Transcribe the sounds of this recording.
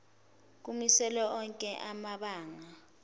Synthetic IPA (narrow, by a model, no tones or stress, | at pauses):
k̬umisɛlɔɔŋkʼɛʔamaɓaːŋa